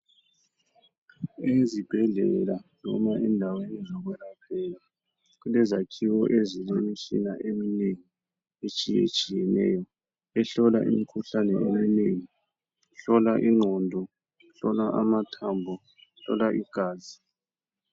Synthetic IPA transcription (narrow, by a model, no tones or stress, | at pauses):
ezib̥ʱɛɮɛ̰lanɔ̰maʔɛndʱawenizɔɣwɛlapʰɛla | ɣulɛzakʰiwɔʔezilemit͡ʃʼḭnaʔemineŋi | et͡ʃʼijḛt͡ʃʼijɛnɛ̰jɔ | ɛɬɔla̰ʔḭmikʰuɬanɛemineŋi | uɬɔlaʔiŋ͡ǃʱɔndʱɔ | uɬɔlaʔamatʰaːmbʱɔ | ɬɔ̰laʔiɡ̥ʱaːzi